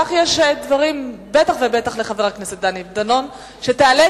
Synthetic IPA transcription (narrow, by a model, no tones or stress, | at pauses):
aχjeʃd̪vaʁimbet̪aχvebet̪aχle̞χave̞ʁakneset̪̚d̪anid̪ano̞n | ʃe̞t̪eale